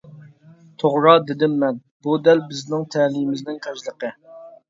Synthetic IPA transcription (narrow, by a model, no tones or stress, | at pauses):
t̪ʰoʁɾɑːd̪ɪd̪ɪmːɛn | bud̪ɛlbɪznɪŋt̪ʰɛɦlimɪznɪŋqʰæʃlˠəqə